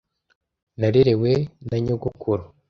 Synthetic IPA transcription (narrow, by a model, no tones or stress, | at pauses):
naɾeɾe̞wenaɲoɡukʰuɾo